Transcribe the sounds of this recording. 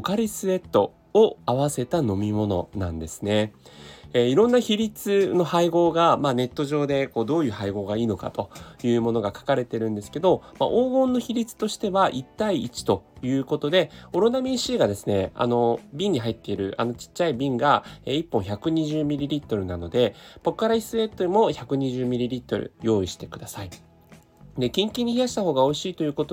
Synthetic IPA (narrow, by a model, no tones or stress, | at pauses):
kaɾʲisɨe̞t̪ːo̞ | oaβase̞t̪ano̞mʲimo̞no̞̰nã̰nd̪e̞sɨ̥ne̞ | eiɾõ̞nːaçiɾʲit͡sɨno̞haiɡo̞ːɡamaːne̞t̪ːo̞ʑo̞ːd̪e̞ko̞ːd̪o̞ːjɯ̟ːhaiɡo̞ːɡaiːno̞ka̰t̪o̞jɯ̟ːmo̞no̞ɡakḁkaɾe̞t̪e̞ɾɯ̟̃nd̪e̞sɨ̥ke̞d̪o̞ma̰ʔoːɡõ̞nːo̞çiɾʲit͡sɨ̥t̪o̞ɕi̥t̪e̞βaʔit̪ːaiːt͡ɕi̥t̪o̞jɯ̟ːko̞t̪o̞d̪e̞o̞ɾonamʲiɕiːɡad̪e̞sɨne̞a̰no̞bʲĩɲ̟ːiɦait̪ːe̞iɾɯ̟̰ʔa̰no̞t͡ɕi̥t͡ɕːaibʲĩŋɡaeːipːõçakɯ̟ɲ̟iʑɨːmʲiɾʲiɾʲit̪ːo̞ɾɯ̟nano̞d̪e̞po̞kɯaɾaisɨet̪ːoimo̞çakɯ̟ɲ̟iʑɨːmʲiɾʲiɾʲit̪ːo̞̰ɾɯ̰jo̞ːiɕi̥t̪e̞kɯ̟d̪asai | d̪e̞kʲĩŋkʲĩɲ̟ːiçijaɕi̥t̪aɦo̞ːɡao̞iɕiːt̪o̞jɯ̟ːko̞t̪o